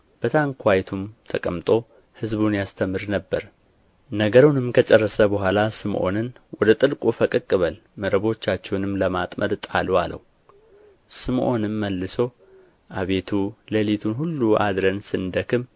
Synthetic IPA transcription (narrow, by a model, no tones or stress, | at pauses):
b̥ət̪ʰaŋkʰʷajt̪ʰumt̪ʰəkʼəmt̪ʼo̞ | hɨzbunjast̪ʰəmɨɾnəbːəɾ | nəɡəɾunɨmkʰət͡ʃʼɛrːəsəbəɦʷalasɨmʔo̞̰nɨnwɔd̪ət̪ʼɨlkʼufəkʼɨkʼːɨβəl | məɾəβo̞t͡ʃːat͡ʃːɛwnɨmləmat̪ʼmʔə̰d̪t̪ʼalua̰lʔə̰wu | sɨmʔo̞nɨmːəlːɨso̞ | ʔaβe̞t̪ʰuləlit̪ʰunɦulːuʔa̰d̪ɾənsɨnd̪əkʰɨm